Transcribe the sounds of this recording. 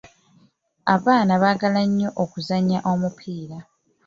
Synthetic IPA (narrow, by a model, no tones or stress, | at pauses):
aβaːnaβaːɡalaɲːo̞ʔokuzaɲaʔo̞mupʰiːɾa